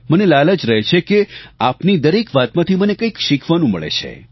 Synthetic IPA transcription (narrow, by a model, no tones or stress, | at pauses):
mənelaləd͡ʒɾəɦet͡ʃʰekeapnid̪əɾekʋat̪mãt̪ʰimənekəikʃikʰʋanũmə̰ɭḛt͡ʃʰḛ